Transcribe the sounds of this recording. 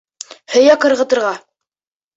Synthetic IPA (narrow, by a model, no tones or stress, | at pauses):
hɵ̆jæqɤ̆ɾʁɤ̆t̪ɤ̆ɾʁɑ